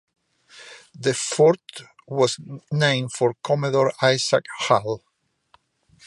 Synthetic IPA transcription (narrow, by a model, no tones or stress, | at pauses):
ðəfɔɹt̪ | wɔznẽɪ̃mfɔɹkʰɔmɛðɔɹaɪsakhal